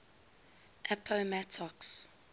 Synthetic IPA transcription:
ʔɛpʰomɛtʰɔks

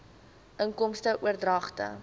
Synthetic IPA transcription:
ʔəŋkɔmstəʔuərdrɐχtə̰

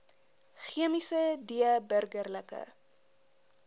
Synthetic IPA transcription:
χiəmisədiəbərɡərləkə̰

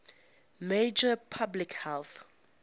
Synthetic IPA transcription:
med͡ʒəpʰablikhɛlθ

